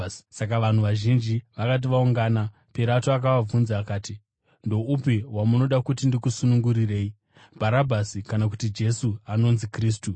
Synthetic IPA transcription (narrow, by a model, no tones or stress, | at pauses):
sak̬aʋan̤uʋaʒind͡ʒiʋakat̬iʋauŋɡaːna | peɾatoak̬aʋab͡vunzaːkaːti | ndo̞upiɦwamuno̞ɗakut̬indikusunuŋɡuɾire̞ːi | bʱaɾabʱasikanak̬utid͡ʒe̞suano̞nzikriːs̬tu